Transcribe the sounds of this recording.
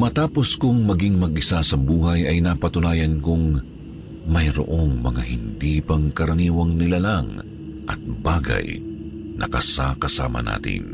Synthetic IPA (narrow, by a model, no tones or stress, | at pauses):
mɐt̪aːpo̞skʊŋmɐɡiŋmɐɡɪsasɐbuːɦɐjɐjnɐpɐt̪ʊnaːjɐnkʊŋ | mɐjɾo̰ʔo̞ŋmɐŋahɪnd̪iːpɐŋkɐɾɐniːwɐŋnɪlalaŋ | ʔɐ̰t̪̚baːɡɐ̰jnʔɐ̰kɐsakɐsa̰ːmɐ̰na̰ːt̪ɪ̰n